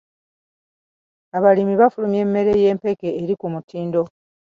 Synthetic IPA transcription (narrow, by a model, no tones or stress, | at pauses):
aβalimiβafulumje̞ːmːe̞ɾe̞je̞ːmpe̞ke̞ːɾikumutʰiːndo̞